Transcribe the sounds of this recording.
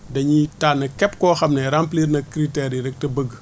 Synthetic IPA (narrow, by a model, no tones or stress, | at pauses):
dɐɲitaːnɐkɛp̚kɔːxɐmnɛɾampliːɾnɐkɾitɛɾiɾɛk̚tɐbəɡ